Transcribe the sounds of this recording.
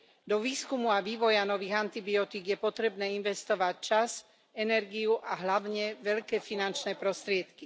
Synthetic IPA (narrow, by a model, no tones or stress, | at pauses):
d̪ɔʋiːskumuaʋiːʋɔjanɔʋiːɣant̪ibiɔt̪iɡjɛpɔt̪ɾɛbnɛːinʋɛst̪ɔʋact͡ʃaz | ɛnɛɾɡiuʔaɦlaʊɲɛʋɛʎkɛːfinant͡ʃnɛːpɾɔst̪ɾɪɛt̪ki